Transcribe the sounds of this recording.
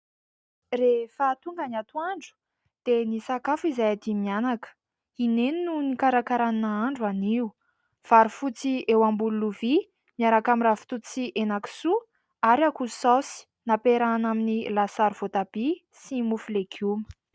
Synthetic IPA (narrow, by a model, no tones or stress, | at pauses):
refaːt̪uŋɡənat̪uaɳɖ͡ʐu̥ | d̪̥enisakafizajad̪imianakə̥ | ineninunikaɾakaɾaninaaɳɖ͡ʐuaniu | v̥aɾifut͡siewambululuvi | miaɾakamirafi̥t̪ut͡siʔenaki̥su | aɾiakusasi̥ | napeɾanaminilasaɾuv̥ot̪ab̥i | simufulekʰumə̥